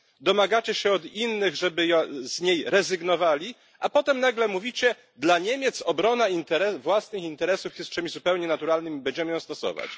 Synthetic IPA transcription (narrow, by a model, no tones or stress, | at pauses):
d̪ɔmaɡat͡ɕɛɕɛɔd̪inːɘɣʐɛbɘjɔzɲejɾɛzɘɡnɔvalʲi | apɔt̪ɛmnaɡlɛmuvʲit͡ɕɛ | d̪laɲemʲjɛt̪sɔbɾɔnaint̪ɛɾɛvwasnɘxint̪ɛɾɛsufjɛst̪̚t͡ʂɛmʲizupɛwɲɛnat̪uɾalnɘmʲibɛɲd͡ʑɛmɘjɔ̃w̃st̪ɔsɔ̰va̰t͡ɕ